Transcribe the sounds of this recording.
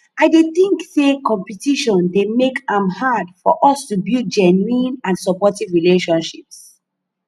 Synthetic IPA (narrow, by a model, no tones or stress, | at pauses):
aɪdeθĩŋksekɔ̃mpitiʃɔ̃ndemekãmhadfɔʔɔstubid͡ʒɛnuĩnãnsɔpɔtivɹileʃɔ̃nʃips